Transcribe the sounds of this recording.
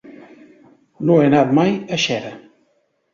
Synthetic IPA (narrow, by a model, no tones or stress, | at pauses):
noenat̪̚majəʃɛɾə